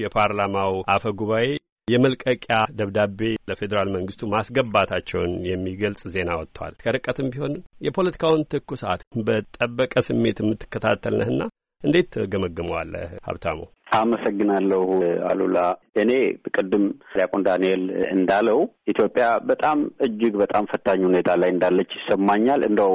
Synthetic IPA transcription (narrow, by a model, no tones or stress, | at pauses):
jɛpʰaɾlamawʔafəɡuβae̞ | jɛməlkʼəkʼjad̪əβd̪abe̞ləfe̞d̪əɾalməŋɡɨst̪ʰumasɡəbːat̪ʰat͡ʃːɛ̰wnjɛmːiɡəlsʼze̞nawɔt̪ːwa̰lkʰəɾɨkʼːət̪ʰɨmbiho̞njɛpʰo̞lət̪ʰi̥kʰawnt̪ʰɨkːusa̰t̪bət̪ʼəbːəkʼəsɨmːe̞t̪mːɨt̪ːɨ̥kːət̪ʰat̪ʰːəlnə̰hɨnːa | ʔɨnd̪e̞t̪ɡəməɡːɨməwa̰lːəha̰βt̪ʰamo̰ | ʔaməsəɡːɨnalːəha̰lṵlaʔɨne̞bəkʼɨd̪ːɨmɾjakʼond̪anelɨ̰nd̪alːəwʔit̪ʰjo̞pʼːjabət̪ʼamɨd͡ʒːɨɡbət̪ʼamfət̪ʰːaɲːhune̞t̪ʰalajɨnd̪alːət͡ʃːsəmːaɲːalɨ̰nd̪əw